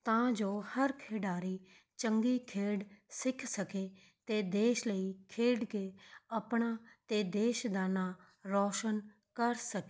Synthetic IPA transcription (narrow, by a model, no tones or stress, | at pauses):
t̪ãːd͡ʒoːhəɾkʰeːɖaːɾiː | t͡ʃəŋɡiːkʰeːɖsɪkʰsəkeː | t̪ed̪eːʃləikʰeːɖkeəpɳaːt̪eːd̪eːʃd̪aːnaː | ɾɔːʃən | kəɾsəkeː